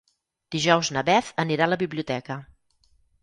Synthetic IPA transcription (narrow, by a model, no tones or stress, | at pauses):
d̪̥iʒɔwznəβɛθəniɾaləβiβliut̪ɛkə